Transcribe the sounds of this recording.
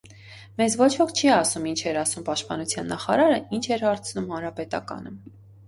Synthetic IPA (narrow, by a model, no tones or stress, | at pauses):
mɛzvɔt͡ʃʰvɔkʰt͡ʃʰiɑsumint͡ʃʰɛɾɑsumpɑʃt̪̚pɑnut͡sʰjɑnːɑχɑ̰ɾɑɾəint͡ʃʰɛɾhɑɾt͡sʰnumhɑnɾɑpɛt̪ɑ̰kɑ̰nə